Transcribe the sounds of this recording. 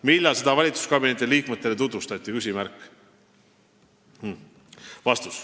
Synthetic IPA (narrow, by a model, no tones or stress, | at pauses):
milːɑsed̪̥ɑvɑlʲit̪su̥skɑbine̞t̪ːiliːkmet̪ːˑe̞le̞t̪ut̪vust̪ɑt̪ʲːˑikys̬ʲimæɾkːˑ | h̩ | vɑst̪us